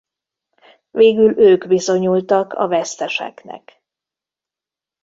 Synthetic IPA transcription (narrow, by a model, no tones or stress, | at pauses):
veːɡyløːɡbizo̞ɲult̪ɒkʰɒ̰vɛst̪ɛʃɛ̰knɛ̰k